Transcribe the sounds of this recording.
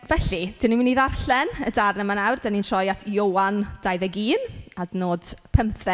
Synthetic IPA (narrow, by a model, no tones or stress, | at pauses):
vɛɬid̥ɪniminːiːðarɬɛnədarnəmanawrd̥aninʃɔjatʰjowand̥ajðɛɡiːnadnoːd̥pʰəmθɛ